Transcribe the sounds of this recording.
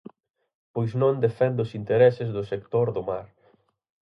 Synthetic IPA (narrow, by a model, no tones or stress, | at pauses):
pojznõnd̪efɛnd̪ʊsint̪eɾɛsɪzðʊsek̚t̪oɾðʊmaɾ